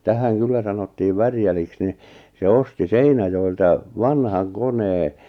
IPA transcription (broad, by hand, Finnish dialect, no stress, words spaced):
tæhæŋ kylːæ sɑnotːiːʋ ʋærjæliks ni se osti seinæjoiltɑ ʋɑnhɑŋ koneː